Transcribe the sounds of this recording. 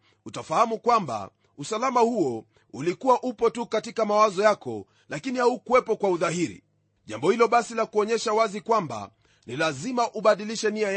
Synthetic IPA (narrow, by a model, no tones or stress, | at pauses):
utafahamukwamba̰ | usalamahuɔ | ulikuwaʔupɔtukatikamawazɔjakɔ̰ | lakinihaukuwɛpɔkwauðahiɾḭ | ʄambɔhilɔɓasilakuɔɲɛʃawazikwamba̰ | nilazimaʔuɓaɗiliʃɛniaj